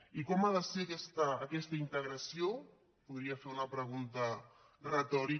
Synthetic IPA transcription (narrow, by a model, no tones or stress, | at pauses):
ikɔmaðəsekɛst̪əːkɛst̪əint̪əɣɾəsio | puðɾiafeunəpɾəɣ̞unt̪ə | rət̪ɔɾi